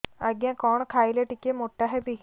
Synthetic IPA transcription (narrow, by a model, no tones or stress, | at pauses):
əɡjãkɔːɳkʰaːileʈɪkemoːʈːaɦɛbiː